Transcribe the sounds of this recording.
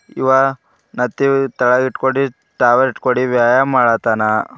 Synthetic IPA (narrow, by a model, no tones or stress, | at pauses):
ḭʋa | nɐt̪ːit̪ɐɭɐɡiʈkoɽi | ʈaːʋɐɾiʈkoɽiʋjaːjamaːɽat̪aːna